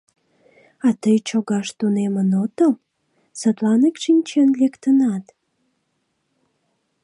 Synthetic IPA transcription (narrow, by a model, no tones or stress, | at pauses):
ɑt̪əjt͡ɕoɣɑʃt̪unemənot̪əl | sət̪lɑnekʃinʲt͡ɕenlekt̪ənɑt̪